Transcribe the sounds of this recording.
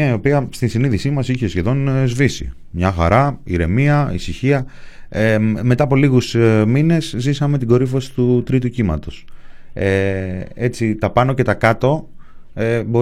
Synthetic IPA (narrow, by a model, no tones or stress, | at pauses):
ɐio̞piɐst̪insiniðisimɐsiçe̞sçe̞ðo̞nzvisḭ | mɲɐxɐ̰ɾɐiɾe̞miɐisiçiɐeme̞t̪ɐːpo̞liɣusmine̞szisɐme̞t̪iɡo̞ɾifo̞si̥t̪ut̪ɾit̪̬ucimɐ̰t̪o̞see̞t͡sit̪ɐpɐno̞ce̞t̪ɐkɐt̪o̞ebo̞